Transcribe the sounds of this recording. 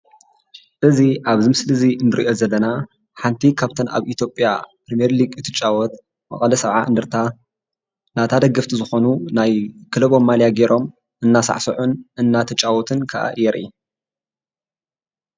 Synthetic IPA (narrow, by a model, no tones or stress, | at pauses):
ʔɨziʔaβzɨmɨslɨzinɨɾḭʔo̞zɐlːɐna | ħant̪ʰikʰaβt̪ʰɐna̰βit̪jo̞pʼjapɾimijɛɾliɡɨt̪ʰɨt͡ʃʼːawɔt̪ | mɐ̰χʼɐlɐsɐβʕa̰ʔɨ̰nd̪ɨɾt̪ʰa | nat̪ʰad̪ɐɡɐft̪ʰizɨxo̞nunajkʰɨlɐβo̞mːaljaɡeɾʔo̞m | ʔɨnːasa̰ʕsɐʕunʔɨnːat̪ʰɐt͡ʃʼːawɔt̪ʰɨnkʰɐʔa̰ʔjɛɾʔḭ